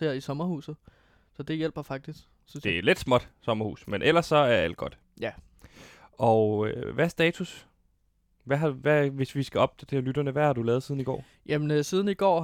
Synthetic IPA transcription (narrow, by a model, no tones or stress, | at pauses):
eɐisɒ̽mɐhṵːsð̩ˠ | sɒ̽d̥e̝jel̰b̥ɐfɑ̈ɡ̥̚d̥isɡ̥ | d̥e̝æle̝d̥smɒ̽d̥sɒ̽mɐhṵːsmenʔel̰ɐsːɒ̽æɐæl̰d̥ɡ̥ɒ̽d̥ | jæ | ʔɒøʋæɐsd̥ɛ̰ːt͡sʰus | ʋæɦɑ̈ʋæʋe̝sʋisɡ̥æɒ̽b̥̚t͡sʰed̥eɐlyd̥ɐnəʋæhɑ̈d̥ulɛːðˠsiːð̞ˠn̩iɡɒ̰ː | jæmensiːð̞ˠn̩iɡ̥ɒ̰ː